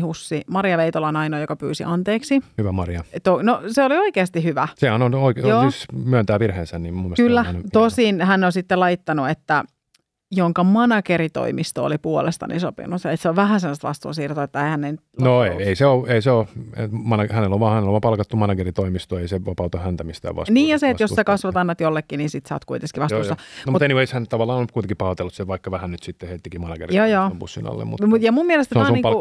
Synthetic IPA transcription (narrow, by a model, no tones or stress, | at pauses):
husːimɑɾijɑʋeit̪olɑnɑinoːjokɑpy̰ːsḭʔɑnt̪eːksihyʋæmɑriɑt̪onoseolioikeːst̪ihyʋæsehænonoikjoːismyønt̪æːʋirheːnsænnimmumːeskylːænt̪ossinhænːonsit̪ːelɑjt̪ːɑnuet̪ːæ | joŋkɑmɑnɑkeɾit̪o̰imist̪o̰ːlipuolest̪ɑ̰nḭso̰pḭnut̪et̪seoʋʋæɦænsemːost̪lɑst̪ṵːsiːrt̪oet̪ːæeihænnenyt̪noeeiseoeiseoḛt̪mɑnɑhæneloʋʋɑːhæneloʋɑpɑlkɑt̪ːumɑnɑkerit̪oimist̪oeiseʋɑpɑut̪ohænt̪æmist̪æ̰ːʋʋɑ̰sniːjɑseːt̪jossekɑsʋɑt̪ɑnːɑt̪jolːekːinisit̪sɑ̰ːt̪kuit̪eskiʋɑst̪usɑnmut̪eniʋeˑishænet̪ɑʋɑlːˑɑːnonykuit̪eŋkipɑhot̪elːusseʋʋɑikːɑʋæhænnyt̪sit̪ːehet̪ːikimɑnɑkḛrijɑːjɑːmbṵsːḭnɑ̰lːḛmmṵt̪mut̪jɑmummiɛlest̪sonɑːniŋlu